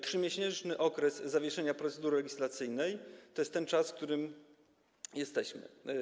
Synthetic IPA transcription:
tʂɘmʲjeɕɛnt͡ʂnɘʔɔkɾɛsːavʲjɛʂɛɲapɾɔt̪sɛd̪uɾɘlɛɡʲislat̪sɘjnɛjt̪ɔjɛst̪ːɛnt͡ʂasfk̚t̪uɾɘm | jɛst̪ɛɕmɘ̰

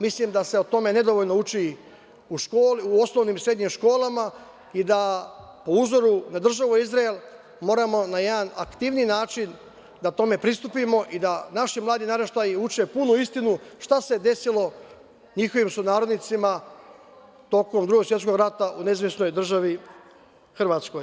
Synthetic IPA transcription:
mislimd̪ase̞ot̪o̞me̞ne̞d̪o̞ʋoʎnout͡ʃi | uʃkoːliuo̞snoʋniːmsɾe̞d̪ɲimʃko̞ːlˠama | id̪apo̞uzo̞ɾunad̪r̩ʒaʋuizɾaelˠ | mo̞ːɾamo̞naje̞d̪ana̰kt̪iʋniːnaːt͡ʃin | d̪at̪o̞me̞pɾist̪upimo̞ʔid̪anaʃimlˠaːd̪inaɾeʃt̪ajiut͡ʃe̞punuist̪inuʃt̪ase̞d̪e̞silo̞ | ɲixo̞ʋimsunaːɾo̞d̪nit̪sima | t̪o̞ko̞md̪ɾuɡo̞ɡsʋjet̪ko̞ɡɾat̪aʔuneizʋjesno̞jd̪r̩ʒaʋi | xr̩ʋaːt̪sko̞j

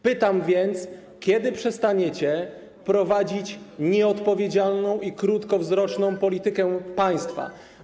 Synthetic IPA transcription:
pɘt̪amvʲjɛnt̪s | kʲjɛd̪ɘpʂɛst̪aɲɛt͡ɕɛ | pɾɔvad͡ʑit͡ɕɲɛɔt̪pɔvʲjed͡ʑalnɔ̃w̃ikɾut̪kɔvzɾɔt͡ʂnɔ̃w̃pɔlʲit̪ɘkɛpaj̃st̪fa̰

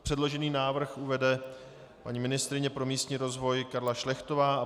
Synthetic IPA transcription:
pr̥ɛdlo̞ʒɛniːnaːvr̩xuvɛdɛ | pa̰ɲimɪnɪst̪ɾɪɲɛpɾo̞miːst̪ɲiːɾo̞zvo̞jkaɾlaʃlɛxt̪o̞vaː

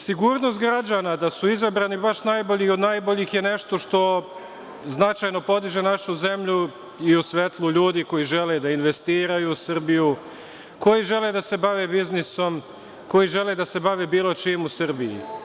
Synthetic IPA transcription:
siɡuːɾno̞st̪ɡɾad͡ʒanad̪asuizabɾanibaʃnajbo̞ʎio̞d̪najbo̞ʎixjene̞ʃt̪o̞ʃt̪o̞ | znat͡ʃajno̞po̞d̪iʒe̞naʃuze̞mʎu | iusʋet̪lˠuʎuːd̪iko̞jiʒe̞led̪ainʋe̞st̪iːɾajuːsr̩biju | ko̞jiʒe̞led̪ase̞baʋebizniso̞m | ko̞jiʒe̞led̪ase̞baʋeːbiːlˠo̞t͡ʃimusrbiḭ

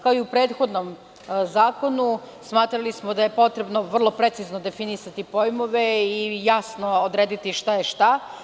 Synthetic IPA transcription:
kaoiupɾe̞ːd̪xo̞d̪nom | zaːko̞nu | smaːt̪ɾalismo̞d̪aje̞po̞t̪ɾe̞bnoʋr̩lˠo̞pɾet̪sizno̞d̪e̞finisat̪ipo̞jmo̞ʋe̞ijasno̞od̪ɾeːd̪it̪iʃt̪ajeʃt̪a

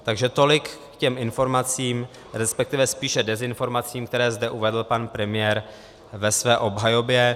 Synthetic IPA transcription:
t̪aɡʒɛt̪o̞lɪkː | cɛmɪnfo̞ɾmat͡siːm | ɾɛspɛk̚t̪ɪvɛspiːʃɛdɛzɪnfo̞ɾmat͡siːmkt̪ɛɾɛːzdɛʔuvɛdl̩panpɾɛmɪjɛɾ | vɛsvɛːʔo̞bɦajo̞bjɛ

